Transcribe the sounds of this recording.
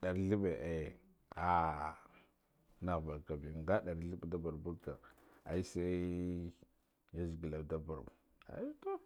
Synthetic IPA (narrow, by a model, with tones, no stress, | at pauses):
ɗa˨ɾɮi˦be˨ʔe˨j | a˦ | na˦˨ɣba˨ka˨bi˨ŋɡa˦ɗa˨ɾɬi˦bda˦ba˨ɾbu˦ka˨a̰˨i˦sa˦ | ja˦zi˨ɡi˨la˨da˦ba˨ɾ | a̰˨ji˦to˦